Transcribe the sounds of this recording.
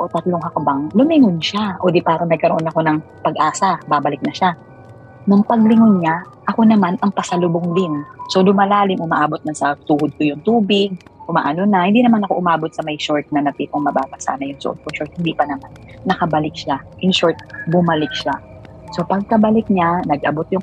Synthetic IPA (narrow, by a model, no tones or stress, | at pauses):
ʔot̪ɐt̪loŋhɐkbaŋlʊmɪŋʊnʃaʔoːd̪ipaːɾɐnɐɡ̚kɐɾoʔo̞nɐko̞nɐŋ | pɐɡʔaːsɐbabɐlɪk̚nɐʃa | nʊŋpɐɡ̚lɪŋʊnɲa | ʔɐko̞nɐmanʔɐŋpɐsɐlʊboŋd̪ɪnso̞d̪ʊmalaːlɪmʔʊmaʔaːbo̞t̪̚nɐsɐt̪uːhʊd̪̚kʊjʊŋt̪uːbɪɡ̚ʔʊma̰ʔɐnonɐhɪnd̪iːnɐmanɐko̞ʔʊmaːbo̞t̪sɐmɐjʃoɹt̪̚nɐnɐt̪iːpoŋmɐbaːbɐsa̰ːnɐjʊŋsʊ̰ʔot̪̚kʊʃoɹt̪̚hɪnd̪iːpɐnɐmanːɐkɐbɐlɪk̚ʃaʔɪnʃoɹt̪̚bʊmɐlɪk̚ʃa | so̞pɐɡ̚kɐbɐlɪk̚ɲanɐɡʔɐbot̪̚jʊŋ